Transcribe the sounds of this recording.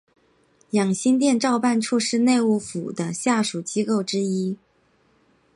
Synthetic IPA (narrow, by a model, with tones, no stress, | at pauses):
jɑ˨˩ŋɕi˥nt̪̬jɛ˥˧nʈ͡ʂɑ˥˧ʊpa˥˧nʈ͡ʂʰu˥˧ʂɻ̩˥˧ne˥˧ɪu˥˩fṵ˨˩d̪ə˦ɕja˥˩ʂu˨˩t͡ɕi˥ko˥˩ʊʈ͡ʂɻ̩˥i˥